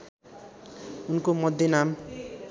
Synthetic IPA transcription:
unkomʌd̪ʱjʌnam

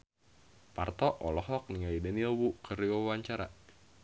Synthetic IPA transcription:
part̪ɔʔɔlɔɦɔk̚niŋaidɛniwukəɾiwawaɲt͡ʃaɾa̰

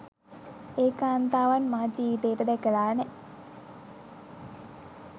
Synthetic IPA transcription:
eːkaːnt̪aːʋanmad͡ʒiːʋit̪eːəʈəd̪ækəlaːnɛ

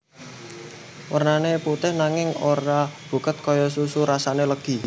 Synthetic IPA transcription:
wʔərnaneput̪ɪhnaŋɪŋoɾab̥ṳkət̪̚kɔjɔs̬usuɾasaneləɡ̥i̤

